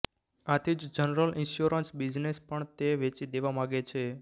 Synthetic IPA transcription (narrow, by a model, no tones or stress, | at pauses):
at̪ʰid͡ʒd͡ʒənɾəlʔinʃjuɾənsbid͡ʒnespəɳt̪eʋet͡ʃid̪eʋamaɡet͡ʃʰe